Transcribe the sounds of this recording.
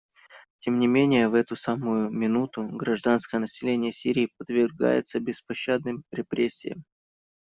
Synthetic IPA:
tʲemnʲɪmʲenʲɪjəvɛt̪ʊsamʊjʊmʲɪnut̪ʊɡɾɐʐd̪anskəjənəsʲɪlʲenʲɪjəsʲiɾʲɪːpəd̪vʲɪrɡa̰jɪ̰t̪səbʲɪspɐɕːad̪̚nɨmɾʲɪpɾʲesʲːɪ̰jə̰m

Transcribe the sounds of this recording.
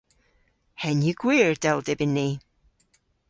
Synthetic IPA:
hɛnjəɡ̥wiɹdɛlˠdɪbɪnːi

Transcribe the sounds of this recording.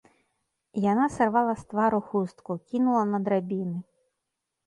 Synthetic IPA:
janasarvalˠɐst̪vaɾuxust̪kukʲinulˠɐnɐd̪ɾabʲinɨ

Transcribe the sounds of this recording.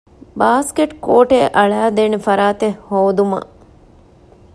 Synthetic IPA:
baːskeʈkoːʈeʔɐɭæːd̪eːnefɐɾaːt̪ehhoːd̪umɐ̰

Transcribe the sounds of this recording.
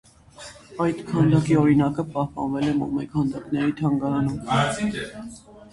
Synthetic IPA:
ɑjt̪kʰɑnd̪ɑkiɔɾinɑkəpɑhpɑ̰nvɛlɛmɔ̰mɛkʰɑnd̪ɑknɛɾit̪ʰɑŋɡɑɾɑnum

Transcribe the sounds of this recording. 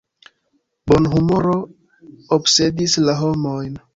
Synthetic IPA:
bonɦumoɾo̞ | obse̞dislaɦo̞mojn

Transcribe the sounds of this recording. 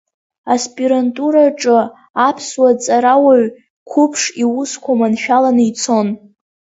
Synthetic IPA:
aspʼiɾantʼuɾaʈ͡ʂʼɨ | apʰswat͡sʼaɾawaɥ | kʷʰʊpʰʂiwuskʷʰamanʃᶣalanɨit͡sʰo̞n

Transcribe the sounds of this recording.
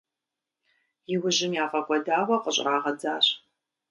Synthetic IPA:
jɪwʊʑɪmjaːfʼɐkʷʼɔdaːwɐqʼəɕʼraːʁɐd͡zaːɕ

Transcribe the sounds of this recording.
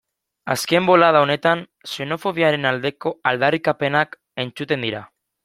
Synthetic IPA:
a̰ske̞mbo̞lað̞aone̞t̪an | se̞no̞fo̞β̞iaɾe̞nald̪e̞ko̞ald̪arikape̞nak | e̞nt͡sut̪e̞nd̪iɾa̰

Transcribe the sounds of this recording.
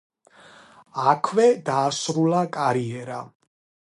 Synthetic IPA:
akʰvɛd̪aːsɾulakʼaɾiɛɾa

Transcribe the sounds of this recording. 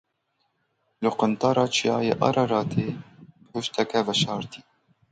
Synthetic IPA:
lɨqʊnt̪ɑːɾɑːt͡ʃʰijɑ̰ːjḛːʔɑ̰ɾɑɾɑːt̪ʰeː | hʊʃt̪ɛkɛvɛʃɑːɾt̪iː

